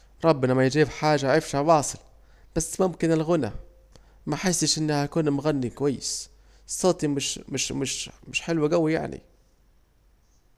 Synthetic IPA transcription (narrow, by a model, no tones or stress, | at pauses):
ɾˤɑbːɪnɑmæjd͡ʒiːbħaːʒaaʕɾɪfʃhæbɑːsˤɨl | b̥æsːmʊmkɪnɪlɣʊnæ̰ | mæħɪsːɪʃʔɪnːhækuːnmʊɣænːikʊwæjːɪs | sˤːɑːt̪ˤimɪʃmɪʃmɪʃmɪʃħɪlwaɡæwːija̰ʕnḭ